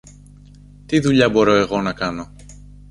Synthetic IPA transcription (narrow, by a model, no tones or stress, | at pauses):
t̪iðuʎɐbo̞ɾo̞e̞ɣo̞nɐkɐno̞